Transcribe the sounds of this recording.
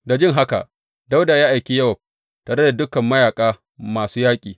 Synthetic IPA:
da˨d͡ʒɪ˦ŋɦa˦ka̰˨ʔ | da˦wdaː˨jaː˦ʔa˨jkʲiː˦jɐ˦wɐ˨ | taː˨ɽe˦da˨dʊ˦kɐ˨mːɐ˦jaː˨kʼaː˦ | maː˨suː˦jaː˦kʲʼiː˨

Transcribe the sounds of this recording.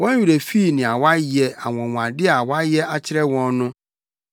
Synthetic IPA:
wɔ̃˦n˦ɥu˨ɾe˨fi˦˨nɪ̃˨a˨wa˦jɛ˨a˨wɔ̃˨wã˨dɪ˦a˨wa˦jɛ˦a˦t͡ɕʰɪ˦ɾɛ˦wɔ̃˦nnʊ̃˦

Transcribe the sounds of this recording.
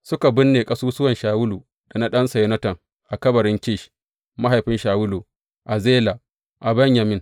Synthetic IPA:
sʊ˦ka˨bʊ˦nːeː˨kʼɐ˦suː˦sʊ˦wɐ˨nʃaː˨wʊ˦luː˨ | da˨na˦ɗɐ˦nsɐ˨jɛ˦nɐ˦tɐ˨ŋ | ʔa˨kɐ˦bɐ˨ɾɪ˦ŋkʲɪː˦˨ʃ | ma˦ɦa˨jɸɪ˦nʃaː˨wʊ˦luː˨ | ʔa˨zeː˦la˨ | ʔa˨bɐ˦ɲja˨mɪ˦n

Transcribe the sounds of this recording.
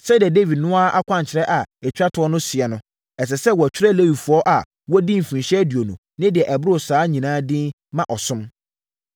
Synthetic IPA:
sɛ˦di˨ɛ˨de˦vi˨dnʊ̃˦a˦a˦kʷʰã˦ɲ˨t͡ɕʰɪ˨ɾɛ˦ʔa˨ɛ˨t͡ɕʰᶣɾa˦tʰʊ˨ɔ˦nʊ̃˦si˨ɛ˨nʊ̃˦ | ɛ˨s̬ɛ˨sɛ˦wɔ˨æ˨t͡ɕᶣʰɪ˦ɾɛ˦le˦wi˨fʊ˨˦ɔ˦ʔa˨ | wɔ˦dĩ˦m̩˨fĩ˨ɕɛ˦di˨o˨nũ˨ | nɪ̃˦dɪ˨ɛ˨ʔɛ˨bɾo˨saː˦ɲĩ˨nãː˦dɪ̃˦ | mã˦˨ʔɔ˨sʊ̃˦m

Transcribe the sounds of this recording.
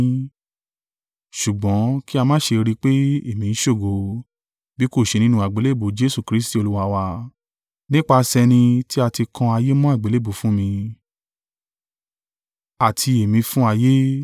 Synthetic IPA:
ʃu˨ɡ͡bɔ̃˨˦ki˦a˧mãː˦ʃe˧ɾi˦k͡pe˦e˦˨mĩ˧n̩˦ʃo˦˨ɡo˧ | bi˦ko˦˨ʃe˧nĩ˦nũ˧˦a˨ɡ͡be˨˦le˦˨bo˨˦d͡ʒe˦su˦˨kɾi˦sti˦˨o˧lu˦wa˧wa˧ | nĩ˦k͡pa˧sɛ˧nĩ˧ti˦a˧ti˧kʰɔ̃˧a˧je˦mɔ̃˦a˦˨ɡ͡be˨˦le˦˨bo˨fũ˦mĩ˧ | a˨tʰi˧e˨mĩ˧fũ˦a˧je˦

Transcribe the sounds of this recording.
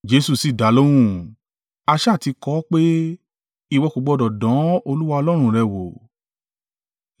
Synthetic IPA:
d͡ʒe˨˧su˨si˨da˨˦lo˦w̃ũ˦˨ | a˧ʃa˦˨ti˨˧kɔ˦k͡pe˦ | i˧wɔ˧ko˨ɡ͡bɔ˧dɔ˨dɔ̃˨˦o˧lu˦wa˧ɔ˧lɔ˦ɾ̃ũ˧˨ɾɛ˧˨wo˨

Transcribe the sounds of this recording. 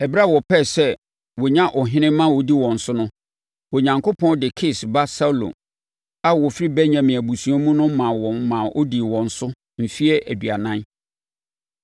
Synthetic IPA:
ɛ˨bɾa˦˨wɔ˨pʰɛ˦˨sɛ˦ | wɔ˨ɲã˦ʔɔ˨ɦɪ̃˦nɪ̃˦mã˦wɔ˨di˦wɔ̃˨n̩˨sʊ˦nʊ̃˦ | wɔ˨ɲã˨ŋkʰo˦pʰɔ̃˦ndɪ˨kʰɪ˦sba˦sa˦lõ̰˨ | a˦wɔ˨fɾi˦bɛ˦ɲã˨mɪ̃˨æ˨bu˨su˨˦a˦mũ˦nʊ̃˦mã˨wɔ̃˨mːã˨ʔɔ̰˦di˨wɔ̃˨n̩˨sʊ˦ | m̩˨fi˦ɛ˦ʔæ˨dɥa˨nã˦n

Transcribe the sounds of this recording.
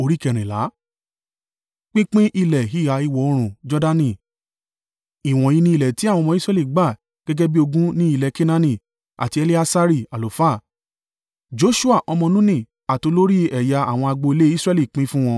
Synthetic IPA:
o˧ɾi˦kɛ˨ɾ̃ĩ˨la̰˨˦ | k͡pĩ˦k͡pĩ˦ʔi˧˨lɛ˨ɦi˦˨ɣa˨˧˦i˧wɔ˨o˧˦ɾ̃ũ˨d͡ʒɔ˦da˦˧nĩ˦˨ | i˨w̃ɔ̃˨ji˧nĩ˧˦i˨lɛ˨ti˨˦a˦˨w̃ɔ̃˧mɔ̃˧˦i˦sɾɛ˦li˦˨ɡ͡ba˦˨ | ɡ̥ɛ˦ɡɛ˦bi˦o˧ɡũ˦nĩ˦i˦˨lɛ˨ke˦nã˧nĩ˨ | a̰˨ti˧ɛ˧le˦a˧sa˦ɾi˦˨a˨lo˨fa˦˨ | d͡ʒo˨˦ʃu˦a˦˨ʔɔ˧mɔ̃˧nũ˦nĩ˦˨ | a˨to˨˧˦lo˦ɾi˦ɛ˨ja˧a̰˦˨w̃ɔ̃˧a˧ɡ͡bo˧i˧le˦i˦sɾɛ˦li˦˨k͡pĩ˦fũ˦w̃ɔ̃˧

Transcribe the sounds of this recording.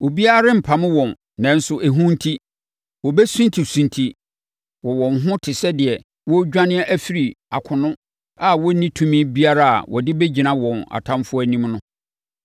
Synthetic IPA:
wɔ˨bi˦a˦ɾɪ̃˦m̩˨pʰa˨mɪ̃˦wɔ̃˨n | nɛ̃˨n̩˦sʊ˦ʔæ˨ɦũ˦n̩˦tʰi˦ | wɔ˨bɛ˦sũ˦ntʰi˨sũ˨ntʰi˨ | wɔ˨wɔ̃˨nɦʊ̃˦tʰɪ˨sɛ˦dɪ˨ɛ˨ | wɔ˦d͡ʑᶣã˦nɪ̃˦ɛ˦ʔæ˦fi˦ɾi˨ | a̰˨kʰʊ̃˨nʊ̃˦ | a˨wɔ˦nĩ˦tʰũ˦mĩ˦bi˦a˦ɾa˦a̰˨wɔ̰˨dɪ˦be˦d͡ʑi˨nã˦wɔ̃˨na̰˨tʰã˦mfʊ˦æ˨nĩ˦mnʊ̃˦

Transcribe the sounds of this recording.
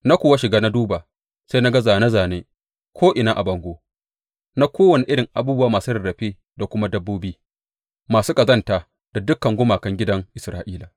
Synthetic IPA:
na˦kʷoː˨wa˦ʃɪ˨ɡaː˦na˦duː˦ba˨ | sa˦na˦ɡɐ˦zaː˨na˦zaː˨neː˦ | kʰʷoː˦ʔɪ˨naː˦ʔa˨bɐ˨ŋɡʷoː˦ | na˦kʷoː˦wɐ˨ne˨ʔɪ˦ɽɪ˨ŋʔa˨buː˦bʊ˦waː˨maː˨su˦ɾɪ˨ɽɐ˨ɸeː˦ | da˨kʷʊ˦ma˦dɐ˦bːoː˦biː˦ | maː˨suː˦kɐ˨zɐ˦˨ntaː˨ | d̥a˨dʊ˦kːɐ˨ŋɡʷʊ˦maː˨kɐ˦ŋɡʲɪ˦dɐ˦ŋʔɪ˨sɾaː˦ʔiː˦laː˨

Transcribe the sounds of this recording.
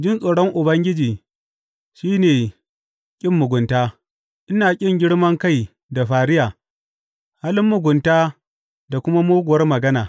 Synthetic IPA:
d͡ʒɪ˦nsʼoː˨ɽɔ˦ŋʔʊ˨bɐ˦ŋɡʲɪ˦d͡ʒiː˨ | ʃiː˦neː˨ | kʲʼɪ˦mːʊ˨ɡʷʊ˨ntaː˦ | ʔɪ˦naː˨kʲʼɪ˦˨ŋɡʲɪ˦ɽmɐ˦ŋka˦˨j | da˨ɸaː˨ɽɪ˦jaː˨ | haː˦lɪ˦mːʊ˨ɡʷʊ˨ntaː˦ | da˨kʷʊ˦ma˦moː˦ɡʷʊ˨wɐ˦rmɐ˨ɡɐ˦naː˨

